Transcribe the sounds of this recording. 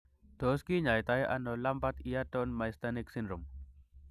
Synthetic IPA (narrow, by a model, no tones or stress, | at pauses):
d̪̥oskiɲajt̪ajʔa̰nolampat̪ijaʈonmajst̪aniksindɾum